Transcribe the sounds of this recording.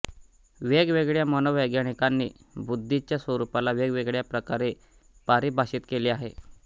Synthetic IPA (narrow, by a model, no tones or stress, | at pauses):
ʋeɡʋeɡɭjamənəʋəjɡjaɽ̃ikanːiː | bud̪ʱːit͡ɕjasʋəɾupalaʋeɡʋeɡɭjapɾəkaɾe | paɾiːbʱaɕiːt̪keliːaɦe